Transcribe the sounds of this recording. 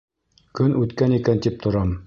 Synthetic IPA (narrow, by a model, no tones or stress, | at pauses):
kɵnʔʉt̪kænikænt̪ip̚t̪ʰŏɾɑm